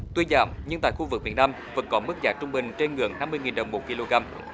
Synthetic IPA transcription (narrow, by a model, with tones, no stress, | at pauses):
t̪wi˧nza̰ː˧˩wmɲɨ˧ŋt̪a̰ː˧˨jxu˧vɨ˨˩k̚mi˨˧˩ənaː˧mvə̰˧˦nkɔ˨˦mɨ˦˥k̚zaː˨˦t͡ɕʊ˧ŋ͡mɓï˨˩ŋ̟t͡ɕe˧nŋɨ̰˧˩əŋna˧mːɨ˧əjŋi˨˩nɗə˨˩wŋ͡mmo˨˩t̚ki˧lo˧ɣaː˧m